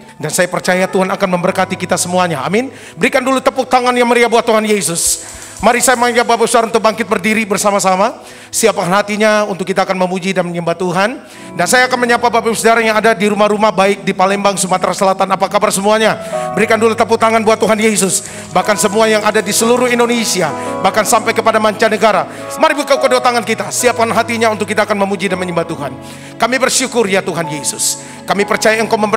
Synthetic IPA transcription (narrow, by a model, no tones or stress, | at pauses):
dansajapərt͡ʃajat̪uɦanakanməmbərkat̪ikit̪asəmuaɲaa̰mɪn | bəɾikandulut̪əput̪aŋanjaŋməɾiabuat̪ːuɦanjesʊs | maɾisajamaŋd͡ʒabapasaɾunt̪ʊk̚baŋkɪt̪̚bərdiɾibərsamasama | siapəhanɦat̪iɲaunt̪ʊkːit̪aːkanməmud͡ʒidanməɲəmbat̪uɦan | dansajaːkanməɲampabapasədaɾajaŋadadiɾumahɾumahbaɪk̚dipalɛmbaŋsumat̪ɾasəlat̪anapakabarsəmuaɲabəɾikandulut̪əput̪aŋanbuat̪ːuɦanjes̬ʊs | bahkansəmuajaŋadadisəluɾʊhindonesiabahkansampajkəpadamaɲt͡ʃanəɡaɾa | maɾibukakodout̪aŋankit̪asiap̚kanɦat̪iɲaunt̪ʊkːit̪aːkanməmud͡ʒidanməɲəmbat̪uɦan | kamibərʃukʊrjat̪uɦanjesʊs | kamipərt͡ʃajaŋkaməmə